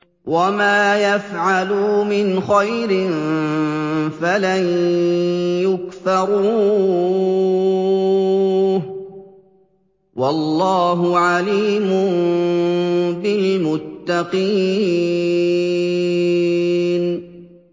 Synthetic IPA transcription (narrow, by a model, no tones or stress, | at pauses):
wamaːjafʕaluːmɪnxajɾɪn | falan | jʊkθɑɾu | wɑlːɑːɦʊʕaliːmʊn | bɪlmʊt̪ːɑqiː | n